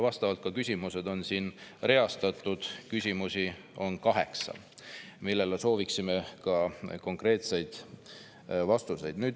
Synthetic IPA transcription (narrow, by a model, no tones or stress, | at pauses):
vɑst̪ɑvɑlt̪̚kɑkysʲimuse̞d̪̥o̞nsiːnre̞ɑst̪ɑt̪ːˑud̪̥kysʲimusi | o̞nkɑɦe̞̰ksɑ̰ | milːe̞leso̞ːviksimekɑko̞ŋkre̞ːt̪se̞jd̪̥ | vɑst̪use̞jd̪̥nyːd̪